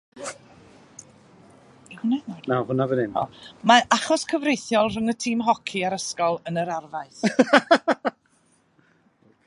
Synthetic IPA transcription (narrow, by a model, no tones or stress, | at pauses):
hʊnananawhʊnavənɪnɔ̰maaχɔskʰəvrejθjɔlˠr̥ʊŋətʰiːmɦɔkʰiaɾəskɔlˠənəɾarvaɨθ